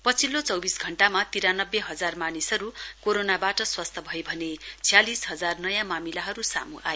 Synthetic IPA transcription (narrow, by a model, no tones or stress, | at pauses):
pʌt͡sʰilːot͡sʌwbisɡʱʌɳʈamat̪iɾanʌbːeɦʌd͡zarmanisʌɾukoɾonabaʈʌswast̪ʰʌbʱʌjbʱʌnet͡sʰjalisɦʌd͡zarnʌjãmamilaɦʌɾusa̰muʔa̰e